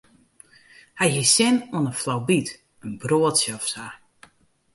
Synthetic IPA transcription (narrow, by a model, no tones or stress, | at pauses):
hajɦisɪnɔənəflawbit | ənbroətsjəɔfsa